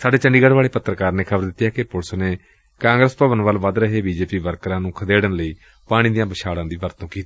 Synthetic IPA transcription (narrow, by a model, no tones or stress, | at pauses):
saːɖeːt͡ʃəɳɖiːɡəɽʋaːɭeːpət̪ːɾəkaːɾneːkʰəbəɾd̪ɪt̪ːaːkɪpʊlsneː | kãːŋɡɾəspəʋənʋəlʋəd̪ɾəɦeːbiːd͡ʒeːpiːʋəɾkɾãːnũːkʰəd̪eːɽənləiː | paːɽ̃iːd̪ijãːbəʃaːɽãːd̪iːʋəɾt̪õːkiːt̪i̥ː